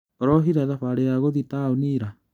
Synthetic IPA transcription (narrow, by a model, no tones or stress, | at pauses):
ɔɾɔɦiɾaðaɸaɾeaɣoðitaoniːɾa